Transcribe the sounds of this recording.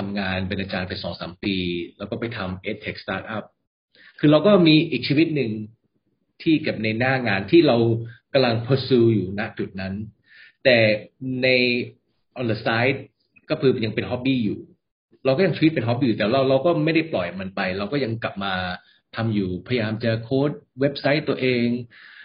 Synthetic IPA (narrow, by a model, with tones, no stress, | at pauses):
t̪ʰa˧mŋaː˧npe˧nʔaː˧t͡ɕaː˧npa˧jsɔː˩˦ŋsa̰ː˩˦mpiː˧lɛː˦˥wkɔː˥˩pa˧jt̪ʰa˧mʔeː˦˥t̪ʰːe˨˩k̚st̪aː˦˥t̪̚ʔa˦˥˩p̚ | kʰɯː˧ɾa˧wkɔː˥˩miː˧ʔiː˨˩k̚t͡ɕʰiː˧wi˦˥t̪̚nɯ˨˧ŋ | t̪ʰiː˥˩ke˨˩p̚na˧jnaː˥˩ŋaː˧nt̪ʰiː˥˩ɾa˧wka˧mla˧ŋpʰɤː˧sɯː˧juː˨˩na˦˥ʔt͡ɕu˨˩t̪̚na˦˥n | t̪ɛː˨˩na˧j | ʔɔ˧nd̪ə˧saː˦˥jt̪̚ | kɔː˥˩pʰɯː˧ja˧ŋpe˧nɦɔ˦˥p̚biː˧˩juː˨˩ | ɾa˧wkɔː˥˩ja˧ŋt͡ɕʰːwt̪̚pe˧nɦɔ˦˥p̚biː˧˨˩t̪ːɾa˧wɾa˧wkɔː˥˩ma˥˩jda˥˩plɔ˨˩jma˧npa˧jɾa˧wkɔː˥˩ja˧ŋkla˨˩p̚maː˧ | t̪ʰa˧mjuː˨˩pʰa˧ja˧jaː˧mt͡ɕa˨˩kʰoː˦˥˩t̪̚we˦˥p̚sa˦˥jt̪ːu˧ɐʔeː˧ŋ